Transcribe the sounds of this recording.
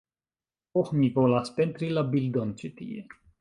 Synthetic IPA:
oxmivolaspent̪ɾilabild̪ont͡ʃet̪ḭjḛ

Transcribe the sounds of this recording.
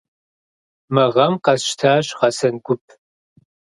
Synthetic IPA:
mɐʁɐmqɐsʃtʰaːɕʁɐsɐnɡʷʊp̚ʰ

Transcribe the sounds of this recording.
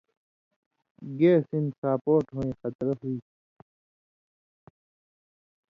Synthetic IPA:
ɡeːsinsaːpoːʈɦõːẽːxɐt̪ɾɐɦiː

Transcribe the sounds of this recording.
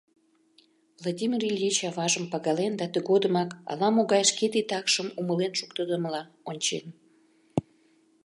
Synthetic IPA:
vlˠadʲimʲirilʲjet͡ɕɑvɑʒəmpɑɣɑlend̪ɑt̪əɣod̪əmɑkɑ̰lɑmoɣɑjʃket̪et̪ɑkʃəmuməlenʃukt̪əd̪əməlɑ | onʲt͡ɕen

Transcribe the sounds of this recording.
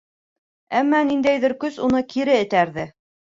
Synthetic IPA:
æmːænind̪æjðɘɾkɵsunɤkiɾɘɘ̆t̪æɾðɘ

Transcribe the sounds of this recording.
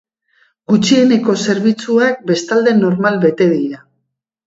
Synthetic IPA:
ɡut͡ʃie̞ne̞ko̞se̞ɾβit͡suak̚be̞st̪ald̪e̞no̞ɾmalβe̞t̪e̞ðiɾa

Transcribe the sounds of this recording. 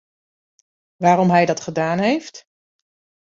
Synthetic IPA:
ʋaːɾɔmɦɛjdɑtχədaːnɦejft

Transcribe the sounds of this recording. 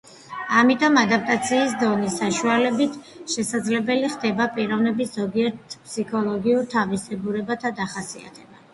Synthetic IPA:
amit̪ʼɔmad̪ap̚ʼt̪ʼat̪sʰiːsd̪ɔnisːaʃualɛbit̪ʰ | ʃɛsad̪zlɛbɛliχd̪ɛbapʼiɾɔvnɛbiszɔɡiɛɾt̪ʰpsikʰɔlˠɔɡiuɾt̪ʰavisɛɡuɾɛbat̪ʰad̪aχasia̰t̪ʰɛba

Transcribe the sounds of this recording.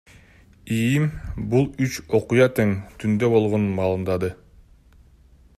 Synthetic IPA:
ijimbulˠyt͡ʃo̞qujɑt̪eŋt̪ʰynd̪øbo̞lˠʁo̞nunmɑːlˠɯmd̪ɑd̪ɯ

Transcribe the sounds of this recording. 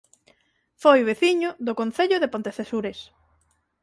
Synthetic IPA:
fojβeθiɲʊðʊkonθeʎʊðepõnt̪eθesuɾes

